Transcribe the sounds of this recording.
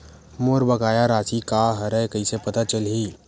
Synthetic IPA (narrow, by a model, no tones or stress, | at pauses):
moːɾbəɡaːjaɾaːsikaɦəɾəjkəisepɐt̪at͡ʃəlɦiː